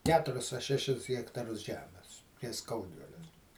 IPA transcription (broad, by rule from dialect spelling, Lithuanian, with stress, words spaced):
ˈkʲæːtʊrʲɪs ɐ ˈʃʲæːʃʲɪs ɣʲɛktɐˈrʊs ˈʒʲæːmʲɛs tʲiɛs ˈskɐʊdʲʋʲɪlʲɛ